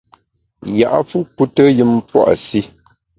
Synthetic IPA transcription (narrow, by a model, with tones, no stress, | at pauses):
ja˨ʔa̰˦fu˦ku˦tə˦jɨ˦m˦pwɔ̰˦ʔa̰˨si˦